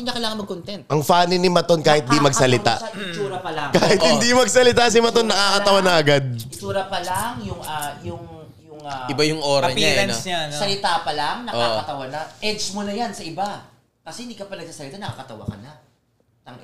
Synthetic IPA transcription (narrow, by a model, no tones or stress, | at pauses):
ɪɲɐkɐlaːŋɐnmɐɡ̚kont̪ɛnt̪ʔɐŋfaːnɪnɪmɐt̪o̞nkaːhɪt̪̚d̪imɐɡsɐlɪt̪a̰ɪt͡ʃuːɾɐpɐlɐŋkaːhɪt̪hɪnd̪imɐɡsɐlɪt̪as̬ɪmɐt̪onːɐkaːkɐt̪ɐwanɐʔɐɡad̪̚ɪt͡ʃuːɾɐpɐlɐŋjʊŋajʊŋ | jʊŋaɪbajʊŋʔoːɾɐɲaɛnsasɐlɪt̪apɐlɐŋnɐʔoaːkɐt̪ɐwanɐʔɛd͡ʒmonɐjansɐʔɪba | kɐsɛhɪnd̪ikɐpɐnɐɡsaːsɐlɪt̪anɐkakɐt̪ɐwa̰kɐnɐ | ʔɐŋ